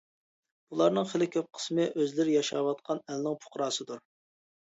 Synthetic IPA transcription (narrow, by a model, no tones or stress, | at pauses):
b̥ulˠɑɾnɨŋχəlɪkʲʰøp̚qʰə̥smɨʔøzlɪɾɪjɑʃɑ̰wɑt̪̚qʰɑnɛlnɪŋpʰʊ̥χɾɑːsɨd̪uɾ